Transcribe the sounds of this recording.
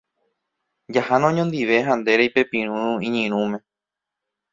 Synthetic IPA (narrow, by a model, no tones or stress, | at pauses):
d͡ʒahanõɲõnd̪iʋe̞ɦãnd̪eɾejpe̞pĩɾ̃ũĩɲĩɾ̃ũmẽ̞